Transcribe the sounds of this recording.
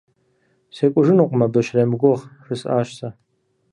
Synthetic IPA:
sekʷʼʊʐɨnuqʷʼmɐbɨʃremɡʷʊʁrɨsʼa̰ːʃsa

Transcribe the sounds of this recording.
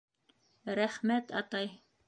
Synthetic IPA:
ɾæχmæt̪ɑ̰t̪ɑj

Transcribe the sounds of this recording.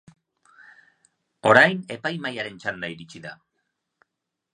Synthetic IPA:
o̞ɾajne̞pajmajaɾe̞nt͡ʃand̪aiɾit͡ʃiða

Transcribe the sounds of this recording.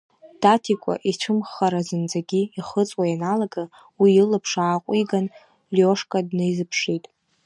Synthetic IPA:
d̥atʰikʷʼa̰ʔit͡ʃʷʰɨmχaɾazɨnd͡zaɡʲiiχət͡sʼwajanalaɡa | wiilɨpʰʂaːqʷʼiɡan | ljoʂkʼadnɨjzɨpʰʃejtʼ

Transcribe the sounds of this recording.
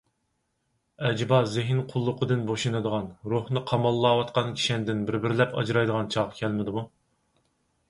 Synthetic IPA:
ɛd͡ʒbɑzɪɦɪnqʰʊlˠːʊqʰəd̪ɨnboʃunɨd̪əʁɑnɾuhnɨqʰɑmɑlˠːɑːwɑt̪qɑnkʲʰi̥ʃɛnd̪ɪnbɪɾbɪɾlɛpɑ̰d͡ʒɾɑjd̪əʁɑnt͡ʃʰɑʁɑkʲʰɛlmɪd̪ɪmu

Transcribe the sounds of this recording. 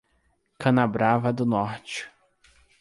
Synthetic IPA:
kɐ̃nabɾavɐd̪ʊnɔɾt͡ʃɪ̥

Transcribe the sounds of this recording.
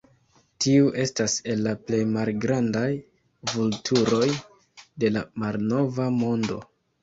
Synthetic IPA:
tiuʔe̞stase̞lːaple̞jmalɡɾandaj | vultʰuɾo̞j | de̞lamalno̞vamo̞ndo̞

